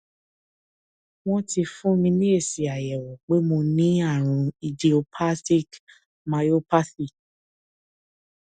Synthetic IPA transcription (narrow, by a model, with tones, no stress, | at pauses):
w̃ɔ̃˦ti˧fũ˦mĩ˧nĩ˦e˦˨si˨a˨jɛ˨wɔ˨k͡pe˨˦mo˧nĩ˦a˦˨ɾ̃ũ˧i˧d͡ʒi˧o˧pʰa˦sti˦˨k | ma˧jo˦pa˦si˦˨